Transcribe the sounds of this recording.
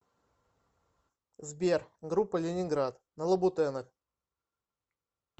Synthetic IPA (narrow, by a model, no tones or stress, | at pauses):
zbʲerɡɾupːəlʲɪnʲɪnɡɾat̪ | nəlˠəbʊt̪ɛnəx